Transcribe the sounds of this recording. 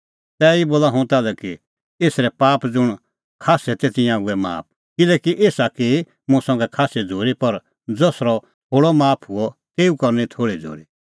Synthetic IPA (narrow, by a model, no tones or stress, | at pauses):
t̪ɛiboːlaɦʊ̃t̪aːlɛki | eːsɾɛpaːpd͡zʊɽ̃ | kʰaːsɛt̪eːt̪ɪjãuɛma̰ːp̚ʰ | kɪlɛːkiʔeːsaki | mũsɐ̃ŋɡɛkʰaːsɛd͡zʱoːɾipɐɾ | d͡zosɾɔ | hʰoːɽɔmaːpʰɦʊɔk̪eːukɐɾnit̪ʰoːɽid͡zʱo̰ːɾi